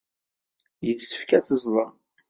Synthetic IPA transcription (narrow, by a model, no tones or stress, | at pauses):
jəsə̥fkæt͡sːəzˤlˤəɾ